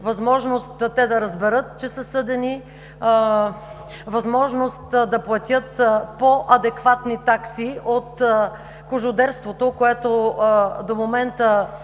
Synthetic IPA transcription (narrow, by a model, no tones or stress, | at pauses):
vɐzmɔʒnost̪ːɛd̪ɐɾɐzbɛɾɤt̪̚t͡ʃɛsəsɤd̪ɛni | vɐzmɔʒnost̪d̪ɐplˠɐt̪ʲət̪poʔɐd̪ɛkvat̪nit̪aksiot̪ | kʊʒʊd̪ɛɾst̪vot̪okoɛt̪od̪omomɛnt̪ə